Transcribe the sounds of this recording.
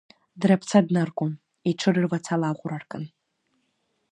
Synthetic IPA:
dɾapʰt͡sʰadnarkʷʼʊm | iʈ͡ʂʰɨrɨrvat͡sʰalaʁʷʊrarkʼɨn

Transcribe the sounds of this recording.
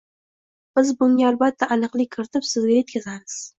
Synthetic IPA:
b̥ɪzbʊŋɡʲaalˠbat̪ʰːaʔanɨqlˠɪkʲʰːɪɾɪt̪ʰɪpsɪzɡʲaje̞t̪̚kʲʰazamɪz̥

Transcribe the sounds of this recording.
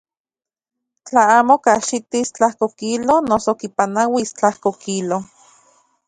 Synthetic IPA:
t͡ɬaaːmokaʃit̪ist͡ɬahkokilonosokipanawist͡ɬahkokilo

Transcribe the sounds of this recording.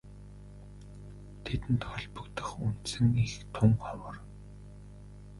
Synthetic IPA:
t̪ʰet̪ɘ̆nt̪χɔɮpɵ̆kt̪ə̆χun̥t̪sɘ̆ŋixt̪ʰʊmɔwəːr

